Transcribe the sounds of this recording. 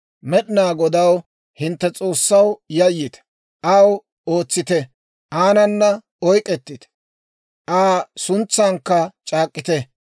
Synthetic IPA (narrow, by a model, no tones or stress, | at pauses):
mɛɗɪnaːɡɔd̪ɐw | hɪnt̪ːɛt͡sʼo̞ːsːɐwjɐjːɪt̪ | ʔɐw | o̞ːt͡sːɪt̪ɛ | ʔaːnɐnːɐ | ɔjkʼɛt̪ːɪt̪ | ʔaːsʊnt͡sːaːŋkːɐt͡ʃʼaːkʼːɪt̪ɛ